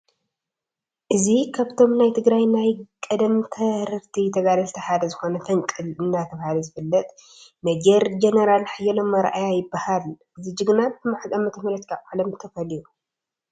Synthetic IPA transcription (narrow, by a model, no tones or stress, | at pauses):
ʔɨzikʰaβt̪ʰo̞mnajt̪ʰɨɡɾajnajkʼɐd̪ɐmt̪ʰɐɾɨɾt̪ʰit̪ʰɐɡalɐlt̪ʰɐħad̪ɐzɨxo̞nɐfʰɐŋkʼɨlɨnːat̪ʰɐβahalɐzɨfɨlːɐt̪ʼ | nɐd͡ʒeɾd͡ʒenɐɾalħajɐlomːɐɾʔajajɪbːahal | ɨzɨd͡ʒɨɡnatɨmaħzʼamɐt̪ʰɐmɐlɐt̪i̥kʰabaʕlɐmt̪ʰɐfɐliju